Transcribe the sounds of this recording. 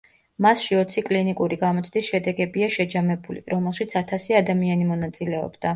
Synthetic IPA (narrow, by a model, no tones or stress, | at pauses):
masʃiɔt̪sʰikʼlinikʼuɾiɡamɔt̪sʰd̪isʃɛd̪ɛɡɛbiaʃɛd͡ʒamɛbulḭɾɔmɛlˠʃit̪sʰat̪ʰasiad̪amianimɔnat̪sʼilɛɔ̰bd̪a